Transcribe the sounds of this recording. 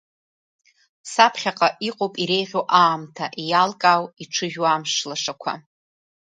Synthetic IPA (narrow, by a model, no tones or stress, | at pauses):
sapʰχʲaqʼaʔiqʼopʼiɾe̞jʁʲoʔaːmtʰaʔijalkʼawiʈ͡ʂʰɨʒᶣamʂlaʂakʷʰa̰